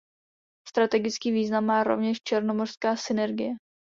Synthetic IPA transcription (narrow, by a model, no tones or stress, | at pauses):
st̪ɾat̪ɛɡɪt͡skiːviːznamːaːɾo̞̰vɲɛʃt͡ʃɛɾno̞mor̥skaːsɪnɛɾɡɪjɛ